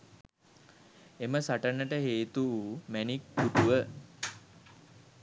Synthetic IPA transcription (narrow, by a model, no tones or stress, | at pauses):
eməsaʈənːəʈəɦeːt̪umænikːut̪uʋə